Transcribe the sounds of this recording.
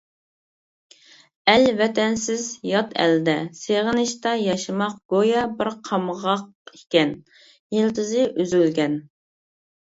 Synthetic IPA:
ɛlvɛt̪ɛnsɪzjɑt̪ʰɛ̰ld̪ɛseʁənɪʃt̪ɑjɑʃɨmɑqɡ̥ojɑbɪɾqʰɑmʁɑq | ikʲɛn | jilt̪ʰɨzɪʔyzylɡʲɛn

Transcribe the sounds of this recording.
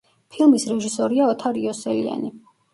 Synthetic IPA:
pʰilˠmisɾɛʒisɔɾiaɔt̪ʰaɾiɔsɛlḭa̰ni

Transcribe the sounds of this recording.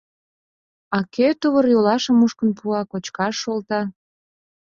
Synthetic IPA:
ɑkʰet̪uβərjolɑʃə̆muʃkə̆npuɑkot͡ɕkɑʃːolt̪ɑ

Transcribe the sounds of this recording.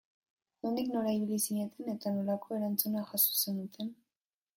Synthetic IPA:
ond̪ikno̞ɾaiβ̞ilisiɲe̞t̪ʰe̞ne̞t̪anolako̞e̞ɾant͡sunaxasu̥se̞nut̪ʰe̞n

